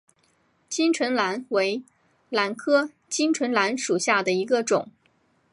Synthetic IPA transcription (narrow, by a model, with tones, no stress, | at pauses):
t͡ɕi˥ŋʈ͡ʂʰwə˧˥nla˧˥nwe˧˥ɪ | la˧˥nkʰɤ˥ | t͡ɕi˥ŋʈ͡ʂʰwə˧˥nla˧˥nʂu˨˩ɕja˥˩d̪ə˩i˧˥ɡə˧ʈ͡ʂʊ̰˨˩˦ŋ